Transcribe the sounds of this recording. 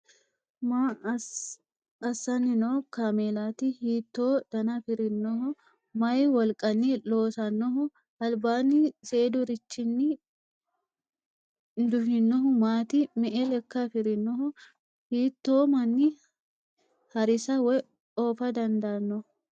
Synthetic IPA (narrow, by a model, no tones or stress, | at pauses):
ma | ɐsːɐnɪnoːkaːmeːlaːt̪ɪhiːt̪ːo̞ːd̪̥ɐnɐfɪɾɪnːɔɦʊ | mɐjwɔlkʼɐnːilo̞ːsɐnːɔɦʊ | ʔɐlbaːnːɪse̞ːd̪ʊɾɪt͡ʃːɪnːɪ | nd̪ʊɦɪnːɔɦʊmaːt̪ɪmɛʔɛlɛkːɐfɪɾɪnːɔɦʊ | hiːt̪ːoːmɐnːɪ | hɐɾɪsɐwɛ | oːfɐd̪ɐnd̪ɐːnːɔ